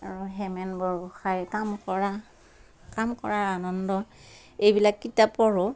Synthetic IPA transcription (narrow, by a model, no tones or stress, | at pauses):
aɹuɦɛmɛnbɔɹbɔxajkamkɔɹa | kamkɔ̰ɹaɹanɔndɔ | ejbilakːitapɔɹɔ